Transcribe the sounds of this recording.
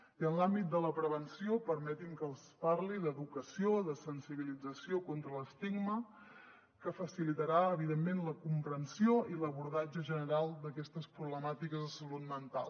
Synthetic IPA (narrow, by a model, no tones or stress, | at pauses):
iənlambit̪̚d̪ələpɾəβənsiopəɾmɛt̪iŋkəlˠsparliðəðukəsioðəsənsiβ̞ilid͡zəsiokont̪ɾələst̪iɡmə | kəfəsilit̪əɾaəβ̞iðemːenləkumpɾənsioiləβuɾðad͡ʒəʒənəɾalˠd̪əkɛst̪əspɾuβləmat̪ikəzðəsəlut̪mənt̪a̰lˠ